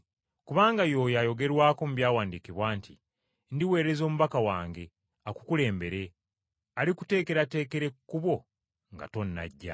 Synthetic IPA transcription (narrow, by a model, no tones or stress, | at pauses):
kuβaːŋɡajo̞ːjajo̞ɡe̞ɾwaːko̞muβjaːwaːndikiβwaːntʰi | ndiwe̞ːɾe̞zo̞ːmuβakawaːŋɡe̞ | aku̥kule̞ːmbe̞ɾe̞ | alikute̞ːke̞ɾate̞ːke̞ɾe̞kkːuβwo̞ | ŋɡa̰to̞nːa̰ɟːa̰